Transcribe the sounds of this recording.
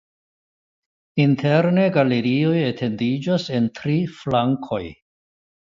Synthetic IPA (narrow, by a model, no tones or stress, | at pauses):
intʰe̞ɾne̞ɡaleɾio̞jetʰe̞ndid͡ʒase̞ntɾiflaŋkʰo̞j